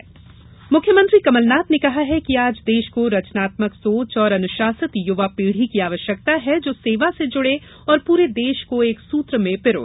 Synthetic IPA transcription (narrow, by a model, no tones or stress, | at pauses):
mʊkʰjəmə̃nt̪ɾikɐməlnaːt̪nekɐɦaɦɛkiaːd͡ʒd̪eːʃkoɾɐt͡ʃnaːt̪məksoːt͡ʃɔːɾɐnʊʃaːsət̪jʊʋapiːɽ̤ikiaːʋəʃjək̚t̪aɦɛd͡ʒoːseːʋased͡ʒʊɽe | ɔːɾpuːɾed̪eːʃkoeːksuːt̪ɾəmẽpɪɾo̰ː